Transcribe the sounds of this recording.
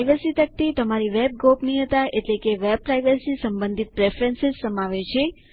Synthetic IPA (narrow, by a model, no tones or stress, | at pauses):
jʋəsit̪ək̚t̪it̪əmaɾiʋeb̚ɡopnĩɦət̪aʔeʈlekeʋeb̚pɾajʋəsisəmbə̃nd̪ʱit̪̚pɾefɾənsɪzsəmaʋet͡ʃʰe